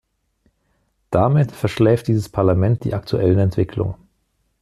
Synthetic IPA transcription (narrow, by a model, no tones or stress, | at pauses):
d̥amɪtfɛɐʃlɛːft̚d̥iːzəspʰaɐlamɛnt̚d̥ḭːʔaktʰuʔɛlənɛntv̥ɪkʰlʊ̰ŋ